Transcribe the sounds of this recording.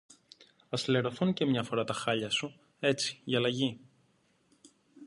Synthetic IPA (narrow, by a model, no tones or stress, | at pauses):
ɐsleɾo̞θunce̞mɲɐfo̞ɾɐt̪ɐxɐʎɐsu | e̞t͡si̥iɐlɐʝi